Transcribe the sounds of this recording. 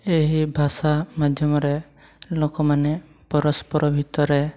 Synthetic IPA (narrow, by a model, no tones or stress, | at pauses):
eɦibʱasamad̪ʱjɔmɔɾe | lokɔmane | pɔɾɔspɔɾɔbʱit̪ɔɾe